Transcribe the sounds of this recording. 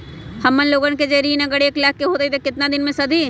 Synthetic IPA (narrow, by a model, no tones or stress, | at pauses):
hɐmːənloːɡənked͡ʒeɾiːnɐɡəɽeeːklɛːkːeɦoːt̪eit̪ekɪt̪nad̪ɪnmẽsɐd̪ʱiː